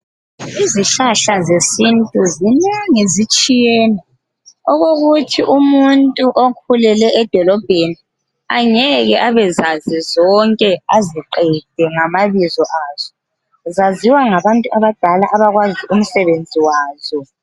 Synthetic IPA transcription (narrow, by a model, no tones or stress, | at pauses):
iziɬaɬazesintʼuzineŋizit͡ʃʼijɛːnɛ | ɔɣoɣutʰiʔumuntʼuʔokʰulɛlɛʔːd̥ʱɔlɔb̥ʱeni | aɲɛɣɛʔaβɛzazizɔŋkʼɛaziǃɛd̥ʱɛŋamaβizɔʔaːz̥ɔ | zaziwaŋaβantʼuaβad̥ʱalaʔaβaɣwaziʔum̩sɛβend͡zʱiwaːzɔ